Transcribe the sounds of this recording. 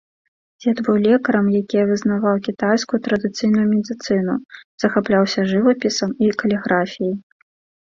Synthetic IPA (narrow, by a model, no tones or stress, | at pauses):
d͡zʲɛd̪vujlʲɛkɐɾɐmjakʲijɐvɨznavawkʲit̪ajskujut̪ɾɐd̪ɨt̪sɨjnujumʲɛd̪ʲɨt̪sɨnuz̥ɐxaplʲawsʲɐʐɨvɐpʲisɐmikɐlʲɛɣɾafʲijɐj